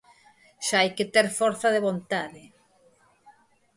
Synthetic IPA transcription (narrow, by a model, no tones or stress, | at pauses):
ʃaajket̪eɾfɔɾθaðeβont̪aðɪ